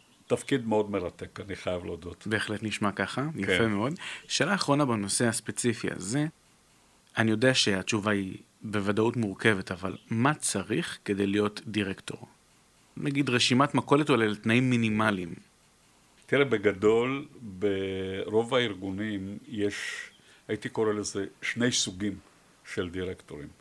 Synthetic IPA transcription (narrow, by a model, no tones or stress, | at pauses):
t̪afkid̪meodmeʁat̪e̞kaniχajavlodotbe̞ːχle̞tniʃmakaχajafeme̞o̞dʃe̞ːlaːχʁo̞nabano̞se̞haspet͡sifia̰ze̞ | anijo̞deaʃe̞at͡ʃuvai | bevadautmuʁke̞ve̞tavalmat͡saʁiχke̞dejlijo̞tdiʁekto̞̰ʁ | naɡidʁeʃimatmako̞letoleltnaimːinimalim | t̪iʁebeɡado̞lbeʁo̞vaiʁɡunimjeʃ | ait̪ikoɾelezeʃne̞jsuɡim | ʃeld̪iʁekto̞ʁim